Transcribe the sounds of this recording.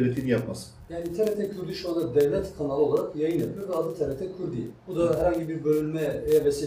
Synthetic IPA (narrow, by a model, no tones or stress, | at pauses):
lʲɛt̪ʰinjapmasɯjaːnit̪ʰɛɾʲɛt̪ʰɛkʰyɾd̪iʃuand̪ad̪ɛvlʲɛt̪kʰanalˠo̞lˠaɾakjajɯnjepʰjoɾvɛad̪ɯnt̪ʰelʲɛt̪ʰɛkʰyɾd̪ḭbud̪aɦæɾhaɲɟibiɾbølʲynmɛvejavesi